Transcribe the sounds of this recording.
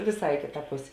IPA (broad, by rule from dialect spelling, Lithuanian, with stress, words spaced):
ʋʲeːˈsɐɪ ɪ ˈkʲeːtɐ ˈpʊsʲeː